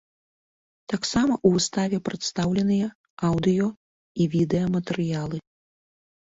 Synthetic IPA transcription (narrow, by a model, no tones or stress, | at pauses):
t̪aksamɐʔuvɨst̪avʲɛpɾɐt̪st̪awlʲɛnɨjɛ | awd̪ɨjɔ | ivʲid̪ɛjɐmɐt̪ɛɾɨjalˠɨ